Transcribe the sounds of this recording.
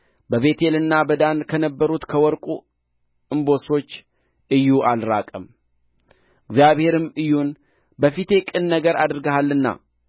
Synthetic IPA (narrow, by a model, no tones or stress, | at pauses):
bəβe̞t̪ʰe̞lɨnːabəd̪ankʰənəbːəɾut̪kʰəwɔɾkʼu | ɨmbo̞so̞t͡ʃː | ɨjːuʔalɾakʼəm | ɨɡzjaβhe̞ɾɨmɨjːun | bəfit̪ʰe̞kʼɨnːəɡəɾad̪ɾɨɡəɦalːɨnːa̰